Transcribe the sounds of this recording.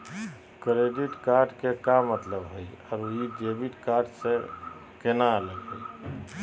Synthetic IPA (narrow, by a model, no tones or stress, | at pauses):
kɾeɖiʈkaɾɖkekamːət̪ləbɦojɔɾuid͡ʒebiʈkaɾɖsẽ | kenaləɡɦoj